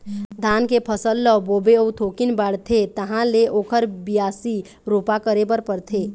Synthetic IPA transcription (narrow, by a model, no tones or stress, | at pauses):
d̪ʱaːnkepʰəsəlːəboːbeout̪ʰoːkinbaɽt̪ʰet̪əɦãleʔoːkʰəɾbijaːsi | ɾopakəɾebəɾpəɾt̪ʰeː